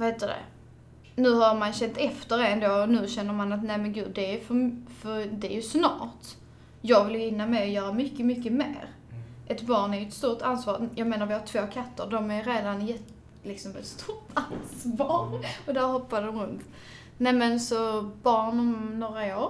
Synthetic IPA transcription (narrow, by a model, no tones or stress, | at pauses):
vaheːt̪d̪ɵd̪ɛ̰ | nʉ̟ːhaɾmanɕɛnt̪ɛft̪əɾɛnd̪oːnʉ̟ːɕɛnːəɾmanat̪næɪmɛnɡʉ̟ːd̪d̪ɛːjfœɾmfœɾd̪ɛæjɵsnɑ̰ːt | jɑːɡvɪljɵɪnːamɛɔjœːɾamʏkːəmʏkːəmḛːɾ | ʔɛt̪bɑːɳæɾjʏɛt̪st̪uːɾʈ̪ansvɑːɾjɑːɡmeːnaɾvɪhaʈ̪ʰv̥oːkʰat̪ʰːəɾɖɔmæjɾeːd̪anjɛt̪ | lɪksɔmɛ̰t̪st̪ʰuɾʈʰanssvɑːɾɔd̪æɾhɔpːad̪əd̪ɔmɾɵnt̪ | næɪmɛnsɔbɑːɳɔmnoːɾaoːɾ